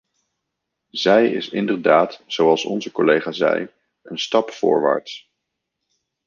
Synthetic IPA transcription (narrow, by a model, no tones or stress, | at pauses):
zɛjɪ̰sɪndəɹdaːtz̥owɑlˠsɔ̰nzəkɔlejχaːzɛ̰j | ənstɑpfʊ̰ːɹʋa̰ːɹts